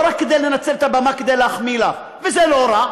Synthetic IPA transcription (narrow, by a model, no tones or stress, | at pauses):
ɾakːed̪ejlenat͡selet̪abamaked̪ejleaχmilav | vezeloɾa